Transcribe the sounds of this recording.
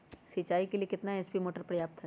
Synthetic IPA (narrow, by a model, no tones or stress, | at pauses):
sit͡ʃaːikeliekɪt̪naespimoːʈəɾpɾɐjaːp̚t̪ʰɦɛ